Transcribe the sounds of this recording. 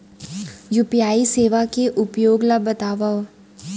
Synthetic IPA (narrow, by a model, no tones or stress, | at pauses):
jupjaːiseːʋakeʔʊpjoːɡlabɐt̪aːʋa